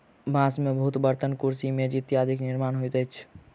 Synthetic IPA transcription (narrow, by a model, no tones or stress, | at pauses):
bãsmebəɦut̪bəɾt̪ənkuɾsimed͡ʒit̪jad̪ʱikniɾmaːnɦojt̪ət͡ʃʰ